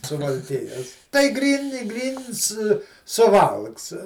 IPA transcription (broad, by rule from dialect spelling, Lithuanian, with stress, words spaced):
sʊʋɐlʲˈkʲɪjoːs tɐɪ ˈɡrʲiːn ɪ ˈɡrʲiːns sʊˈʋɐlˠks